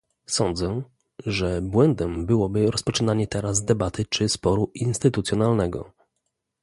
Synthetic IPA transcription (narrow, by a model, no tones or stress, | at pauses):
sɔnd̪zɛ | ʐɛbwɛnd̪ɛmbɘwɔbɘɾɔspɔt͡ʂɘnaɲɛt̪ɛɾazd̪ɛbat̪ɘt͡ʂɘspɔɾuinst̪ɘt̪ut̪sʲjɔnalnɛɡɔ̰